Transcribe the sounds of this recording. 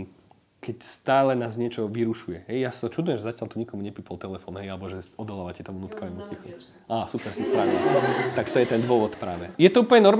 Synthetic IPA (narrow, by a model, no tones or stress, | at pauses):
kɛcst̪aːlɛnaːzɲɪɛt͡ʃɔʋiɾuʃujɛɦɛjjasḁt̪ɔt͡ʃud̪ʊjɛmʒɛzacɪalt̪uɲikɔmuɲɛpiːpalt̪ɛlɛfɔ̰ːnɦɛjalɛbɔʒɛɔd̪ɔlaːʋacɛt̪ɔmunuːt̪kaʋɛmusc̪ixṵ | ʔaːasupɛɾsispɾaʋila̰t̪akt̪ɔjɛt̪ɛnd̪ʋʊɔʋɔt̪pɾaːʋɛjɛt̪ɔuːpl̩ɲɛnɔɾm